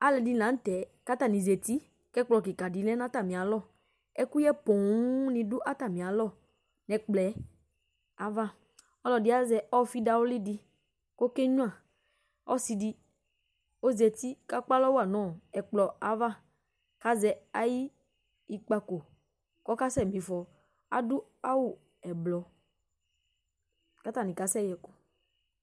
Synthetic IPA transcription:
a˦lɛ˨di˨nã˨˦n̩˦t̪ɛ˨ka˦t̪a˨nĩ˨zɛ˨t̪i˦ | kɛ˦k͡plɔ˨ki˨ka˨di˨lɛ˦n˦ã˦t̪a˨mĩ˨a˨lɔ˦˨ | ɛ˦ku˦jɛ˦pɔ̃˨wu˦nĩ˨du˦ʔa˦t̪a˨mĩ˨a˨˦lɔ˦˨ | nɛ̃˨k͡plɛ˨˦ | a˨va˦˨ | ɔ˦lɔ˨di˦a˦zɛ˨ɔ˦fi˦da˨wo˦li˦di˦ | ko˦kɛ˦ɲũ˦ã˦˨ | ɔ̰˦si˧di˦ | o˦zɛ˨t̪i˦ka˦k͡pa˦lɔ˦wo˦a˨nɔ̃˨ɛ˨k͡plɔ˨a˨va˦ | ka˦zɛ˨a˦ji˦ | i˦k͡pa˨ko˨ | kɔ˦ka˦sɛ˦˨mĩ˨fɔ˨ | a̰˨du˦a˦wu˨ | ɛ˨blɔ˨ | ka˦t̪a˦˨nĩ˨ka˨˦sɛ˦jɛ˨ko˦

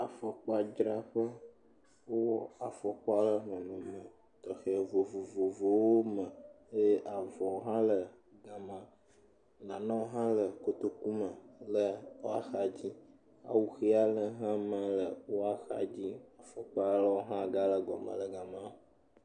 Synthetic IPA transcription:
a˨fɔ˨k͡pa˨d͡ʒɾa˦ɸə˦ | wo˦wɔ˦a˨fɔ˨k͡pɔ˦a˦lə˦ɦɔ̃˨nũ˨mə̃˨ | t̪ɔ˨xɛ˨vo˨vo˨vo˨vo˨wo˦mə̃˨˦ | ʔa˨vɔ˨ɦã˦lə˨ | ɡa˨mã˦ | nã˨nɔ̃˦ɦã˦lə˨ko˨t̪o˦ku˦mə˨lə˦o˦a̰˦xa˨d͡ʑi˦ | a̰˨wu˨xi˦a˦lə˨ɦã˦mə̃˦lə˨wo˦a˦xa̰˨d͡ʑi˦a˨fɔ˨k͡pa˦lə˦wo˦ɦã˦˨ɡa˦lə˨ɡɔ̰˨mə̰˨lə˨ɡa˨mã˦

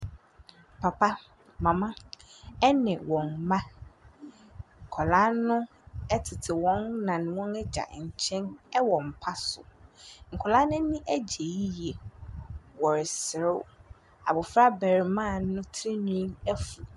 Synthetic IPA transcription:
pʰa˨pʰa˦ | mã˨mã˦ɛ˦nɪ̃˨wɔ̃˨nmã˦ | ŋ̩˨kʰɔ˨la˦nʊ̃˦ | ɛ˦tʰɪ˨tʰɪ˨wɔ̃˨˦nːã˨nɪ̃˨wɔ̃˦nɛ˦d͡ʑa̰˨ɲ̩˨t͡ɕʰɛ̃˦nɛ˦wɔ̃˨m̩˨pʰa˦sʊ̰˨ŋ̩˨kʰɔ˨la˦nʊ̃˦nɪ̃˦ʔæ˦d͡ʑe˨ji˦je˨ | wɔ˨ɾɪ˨sɪ˨ɾɪ˦˨ | a̰˨bʊ˨fɾa˦bɛ˨ɾɪ˨mã˦˨˦nʊ̃˦tʰɾi˦nũ˦ɛ˦fu˨

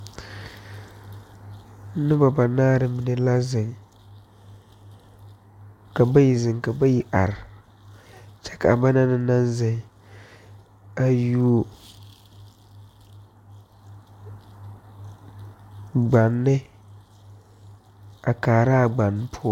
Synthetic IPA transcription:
nɨ˦ba˨ba˨naː˦ɾɪ˨mi˨ne˦la˦zɪ˨ŋ | ka˨ba˦ji˨zɪ˨ŋka˨ba˦ji˦ʔa̰˨ɾɪ˨ | t͡ʃɛ̥˦ka̰˨ba˦na˦nɪ˦na˦nzɪ˨ŋ | a˦ju˦o˦ | ɡ͡ba˨nːɪ˦ | a˨kaː˨ɾa˦˨ɡ͡ba˨nː˦pʰʊ˦ɔ˦

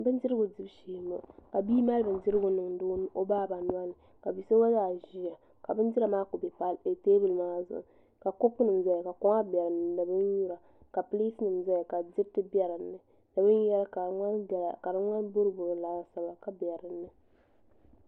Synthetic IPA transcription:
bɨ˦ndɪ˦ɾɨ˦ɡʊ˨dɪ˦bʃiː˨no˦˨ka˨biː˦ma˦lbɨ˨n˦dɪ˦ɾɨ˦ɡʊ˦nɨ˨ŋ˦dʊː˦n˦ʔo˦baː˦˨ba˨nwa˦nɨ˨ | ka˨bi˨so˦wa˦zaː˨ʒi˦a˨ | ka˨bɨ˦n˦dɪ˦ɾa˨maː˦ko˨bɛ˨pa˦le˨teː˦bɨ˨lmaː˦zʊ̰˨ʔʊ̰˨ | ka˨ko˦kːnɨ˨mza˦ja˨ka˨ko˦ŋa˦bɛ˨ɾɨ˨nɨ˨nɨ˨bɨ˦nju˦ɾa˨ | ka˨pɨ˦li˦snɨ˨mza˦ja˨ka˨dɪ˦ɾtɨ˦bɛ˦ɾɨ˨nːɨ˨ | na˨bɨ˦n˦jɛ˦lka˨ŋa˦˨ka˨ɾɨ˦ŋʷa˦nbʊ˦ɾɨ˦bʊ˨ɾlaː˨˦a˨sa˦ba˨ka˨bɛ˨ɾɨ˨nːɨ˨

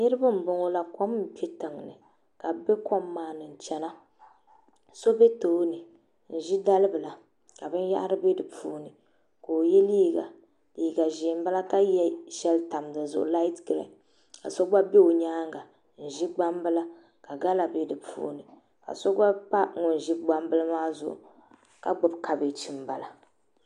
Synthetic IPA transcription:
nɨ˦ɾɨ˦bɨ˦m̩˨bʊ˨ŋo˦la˦ko˦m̩˦˨pi˦tɨ˨ŋ˨nɨ̰˨ | ka˨be˦ko˦mːaː˨nɨ˨n̩˨t͡ʃɛ˨na˦ | so˦be˦toː˨˦nɨ˨ | n̩˨ʒi˦da˦lɨ˦bɨ˨la˨ | ka˨bɨ˦n˦ja̰˦ʔa˦ɾɨ˦be˦dɨ˨pṵː˦nɨ˨ | koː˨jɛ˦liː˦ɡa̰˨ | liː˨ɡa˨ʒɪ˨m˦ba˦la˦ka˦jɛ˦ʃɛ˦lta˨mdɨ˨zʊ̰˨ʔʊ̰˨la˦i˦tɡɨ˨ɾɛ̰˨ | ka̰˨so˦ɡ͡ba˦be˦o˨ɲaː˦ŋɡa˨ | n̩˨ʒi˦ɡ͡ba˦mbɨ˦la˦ | ka˨ɡa˦la˨be˦dɨ˨pṵː˦nɨ˨ | ka̰˨so˦ɡ͡ba˦pa˦ŋʊ˨n˨ʒɪ˦ɡ͡ba˦mbɨ˦lɨ˦maː˦zʊ̰˨ʔʊ̰˨ | ka˦ɡ͡bʊ˨bkʰa˨bɪ˨t͡ʃi˨mba˨la˨

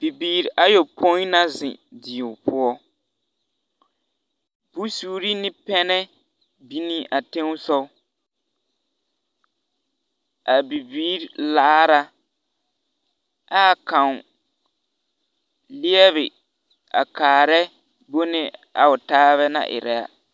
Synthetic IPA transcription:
b̥i˨biː˦ɾʔa˦jo˨pʰo˦na˦zɪ̰̃˨di˨ʊ˨pʊ˦ɔ˦ | b̥u˦suː˨˦ɾi˦nɪ˦pɛ˦nɛ˦ | bi˦ni˦ʔa˨tẽ˦ŋ˦sɔ˦ | a˨bi˨biː˦ɾla˦ɾa˦ | a˦˨kã˨ŋ˨ | lɪ˦ɛ˦βɪ˨ | a̰˨kaː˨ɾɛ˦ | bo˦nɪ˦a̰˨ʊ˨taː˦βɛ˦nã̰˨ʔɪ̰˨ɾɛ˨a̰˦

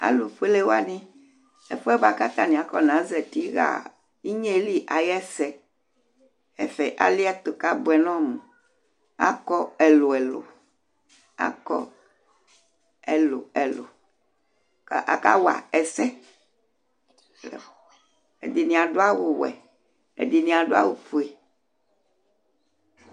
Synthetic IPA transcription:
a̰˦lu˨ɸe˦le˦wa˦nĩ˦ | ɛ̰˦ɸɛ˦ba˨ka˦t̪a˦nĩ˨a˨˦kɔ˦nã˨˦zɛ˨t̪i˦ɣa̰˨ | i˦ɲe˦li˦ʔa˨jɛ˦sɛ˦ | ɛ˦fɛ˨ʔa̰˨li˦a˦t̪o˨ka˦bo˨ɛ˨nɔ̃˦mũ˨ | a̰˦kɔ˦ɛ˨lo˨ɛ˨lo̰˨ | a̰˦kɔ̰˦ | ɛ˨lo̰˨ɛ˨lo̰˨ | kʔa̰˨ka̰˦wa̰˨ɛ˨sɛ˦˨ | e˨di˨nĩ˨a˨ɖo˦a˦wo˨wɛ̰˨ | ḛ˨di˨nĩ˨a˨ɖo˦a̰˦wo˦ɸu˨e˨

